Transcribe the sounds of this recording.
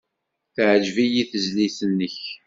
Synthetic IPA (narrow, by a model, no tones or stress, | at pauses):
θʕəd͡ʒvijiθəzliθənːəç